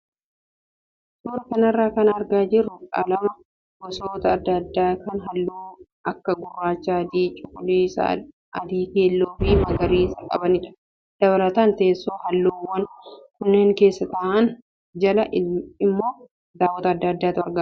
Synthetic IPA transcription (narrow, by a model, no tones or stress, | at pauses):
suːɾɐkɐnɐrːaːkɐnɐɾɡaːd͡ʒɪrːʊkʼa̰ːlɐmɐ | bɔsoːt̪ɐːd̪ːɐːd̪ːaːkɐnɦɐlːoː | ɐkːɐɡʊrːaːt͡ʃːad̪iːt͡ʃʼːʊkʊlis | ʔɐd̪iːk̪eːlːoːfimɐɡɐɾiːsɐkʼɐ̰bɐnɪᶑɐ̥ | d̪̥ɐβɐlɐt̪aːnt̪ɐʔesːoːhɐlːoːwɐnkʊnːe̞ːŋke̞ːsːɐt̪ɐʔɐn | d͡ʒɐlɐɪmːo̞ː | d̪aːwːɐt̪ɐːd̪ːɐːd̪ːaːt̪ʊɐɾɡa